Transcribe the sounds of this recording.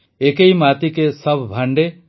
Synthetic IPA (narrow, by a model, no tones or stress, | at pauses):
ekejmat̪ikesəbʱbʱaɳɖe